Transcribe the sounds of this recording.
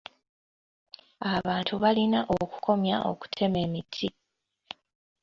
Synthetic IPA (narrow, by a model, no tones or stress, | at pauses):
aβaːntuβalinaʔoku̥kʰo̞mjaʔo̞̰ku̥tʰe̞me̞ːmitʰi